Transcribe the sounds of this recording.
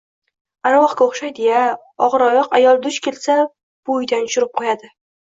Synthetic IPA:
aɾavɒqkʲaoχʃajd̪eja | ɒʁɨɾɒjɒqajɒlˠd̪ʊʃkʲʰe̞lsa | b̥ojd̪anʊʃʊɾɪp̚qʰojad̪ɪ

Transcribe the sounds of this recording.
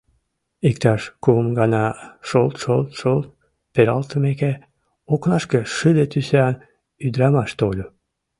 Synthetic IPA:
ikt̪ɑʃkumɡɑnɑʃolt̪ʃolt̪ʃolt̪̚ | peɾɑlˠt̪əmeke | oknɑʃkə̆ʃɨd̪et̪yseɑn | yd̪ɾɑmɑʃt̪olʲu

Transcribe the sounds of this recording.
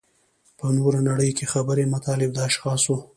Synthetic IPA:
pənoɾanaɽəjkexabəɾemat̪ɑlɪbd̪ɑaʃxɑswu

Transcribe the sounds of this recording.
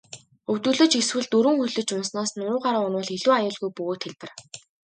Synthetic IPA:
ɵwt̪ŭːɮɵ̆t͡ɕeswɘ̆ɮt̪ɵɾɵ̆ŋxuɮɘ̆t͡ɕʊnsnaːsnʊʊːʁaɾʊnʊːɮeɮuːajʊːɮɣujpɵɣoːt̪xeɮpɘ̆r

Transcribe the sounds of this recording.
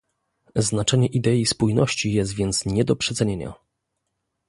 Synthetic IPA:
znat͡ʂɛɲɛʔid̪ɛispujnɔɕt͡ɕijɛst̪vʲjɛnt̪sɲɛd̪ɔpʂɛt̪sɛɲeɲa̰

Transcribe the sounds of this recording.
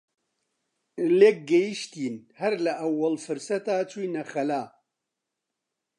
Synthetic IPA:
leːk̚ɡɛjiʃt̪iːnhɐɾlɐʔɐwːɐlfɨɾsɐt̪aːt͡ʃʰujnɐxɐlaː

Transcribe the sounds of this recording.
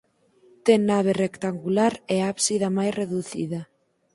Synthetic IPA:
t̪ɛŋːaβ̞erekt̪aŋɡulaɾɛaβsiðamajsreðuθḭðɐ

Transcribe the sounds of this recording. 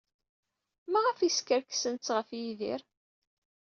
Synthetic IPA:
mæʁæfiskəɾksənt͡sʁəfjiðḭɾ

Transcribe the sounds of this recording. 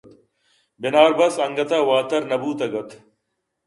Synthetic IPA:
bɪnaːɾbɐsɐŋɡɐt̪ɐwaːt̪ɐɾnɐbuːt̪ɐɡɐt̪

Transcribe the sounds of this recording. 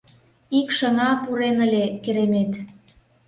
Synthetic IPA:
ikʃəŋɑpuɾenəlʲekeɾemet̪

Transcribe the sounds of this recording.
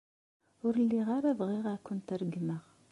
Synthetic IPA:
ʊɾəlːiʁaɾavʁiʁakʷːʊnt̪ɾəɡməʁ

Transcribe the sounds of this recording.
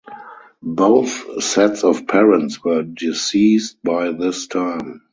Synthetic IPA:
boʊθsɛtsɔfpʰɛɹə̃ntswɜ˞dɪsiːst̚b̥aɪðɪstʰãɪ̃m

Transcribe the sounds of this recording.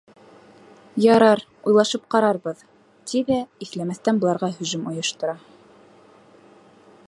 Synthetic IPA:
jɑɾɑɾ | ujlˠɑʃɤp̚qɑɾɑɾbɤð | t̪iðæiθlæmæθt̪ænbŏlˠɑɾʁɑɦɵ̆ʒɵmŏjŏʃt̪ɤ̆ɾɑ

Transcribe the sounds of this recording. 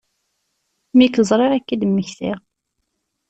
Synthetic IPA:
mikəzˤɾˤeʁækːid̪mːəçθɪ̰ʁ

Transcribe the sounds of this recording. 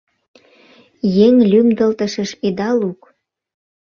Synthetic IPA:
jeŋlʲymd̪ə̆lt̪əʃə̆ʃid̪ɑluk

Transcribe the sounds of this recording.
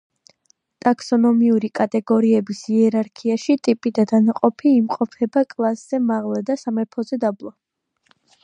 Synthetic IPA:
t̪ʼaksɔnɔmiuɾikʼat̪ʼɛɡɔɾiɛbisiɛɾaɾkʰiaʃit̪ʼipʼid̪ad̪anaqʼɔpʰiːmqʼɔpʰɛbakʼlˠasz̥ɛmaʁlˠad̪asamɛɾpʰɔzɛd̪ablˠɔ

